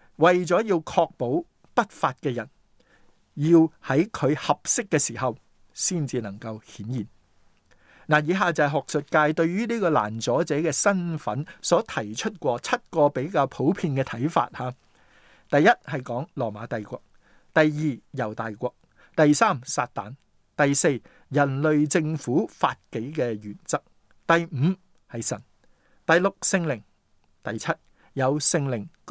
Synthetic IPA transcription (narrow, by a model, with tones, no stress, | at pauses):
wɐ˨jt͡sɔː˨˥jiː˧wkʰɔː˧k̚po˨˥w | pɐ˥t̚faː˨˧t̚kɛː˧jɐ˨˩n | jiː˧whɐ˨˥jkʰɵ˨˧ɥhɐ˨p̚sɪ˥kːɛː˧siː˨˩hɐ˨w | siː˥˩nt͡siː˧nɐ˨˩ŋkɐ˧whiː˨˥njiː˨˩n | naː˨˩jiː˨˧ɦaː˨t͡sɐ˨ɦɔ˨k̚sɵ˨t̚kaː˧jt̪ɵ˧ɥjyː˥niː˥kɔː˧la̰ː˨˩nt͡sɔː˨˥t͡sɛː˨˥kɛː˧sɐ˥nfɐ˨˥nsɔː˨˥t̪ʰɐ˨˩jt͡ʃʰɵ˥t̚kʷɔː˧t͡sʰɐ˥t̚kɔː˧pe˨˥jkaː˧wpʰo˨˥wpʰiː˧nkɛː˧t̪ʰɐ˨˥jfa̰ː˧t̚haː˨˧ | t̪ɐ˨jːɐ˥t̚hɐ˨jkɔː˨˥ŋlɔː˨˩maː˨˧t̪ɐ˨jkʷɔː˧k̚ | t̪ɐ˨jːiː˨˧jɐ˨˩wt̪aː˨jkʷɔː˧k̚ | t̪ɐ˨jsaː˥msaː˧t̚t̪a̰ː˨n | t̪ɐ˨jse˧j | jɐ˨˩nlɵ˨ɥt͡sɪ˧ŋfuː˨˥fa̰ː˧t̚ke˨˥jkɛː˧ɥyː˨˩nt͡sɐ˥k̚ | t̪ɐ˨˩jm̩ː˨˧ | hɐ˨jsɐ˨˩n | t̪ɐ˨jlʊ˨k̚sɪ˧ŋlɪ˨˩ŋ | t̪ɐ˨jt͡sʰɐ˥t̚ | jɐ˨˧wsɪ˧ŋlɪ˨˩ŋ